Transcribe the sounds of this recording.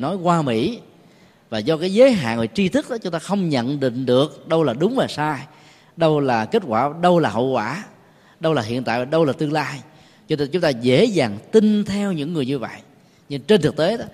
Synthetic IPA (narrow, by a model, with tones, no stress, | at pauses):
nɔ˨˦jkwaː˧mḭ˧˥ | vaː˨˩zɔ˧kaː˨˦jzəː˨˦jɦa̰ː˧˨nvə˨˩t͡ɕi˧t̪ʰɨ˦˥k̚ɗɔ˨˦t͡ɕʊ˨˦ŋ͡mt̪aː˧xə˧wŋ͡mɲə̰˧˨nɗḭ˧˨ŋ̟ɗɨ˨˩ək̚ɗə˧wlaː˨˩ɗʊ˨˦ŋ͡mvaː˨˩saː˧j | ɗə˧wlaː˨˩ke˦˥t̚kwaː˧˩ɗə˧wlaː˨˩ɦə̰˧˨wkwaː˧˩ | ɗə˧wlaː˨˩ɦḭ˧˨ənt̪a̰ː˧˨˩ɗə˧wlaː˨˩t̪ɨ˧ŋlaː˧j | t͡ɕʊ˨˦ŋ͡mt̪aː˧zḛ˧˥zaː˨˩ŋt̪i˧nt̪ʰɛ˧wɲɨ̰˧˥ŋːɨ˨˩əjɲɨ˧və̰˧˨jʔ | ɲɨ˧ŋt͡ɕe˧nt̪ʰk̚t̪e˨˦ɗɔ˨˦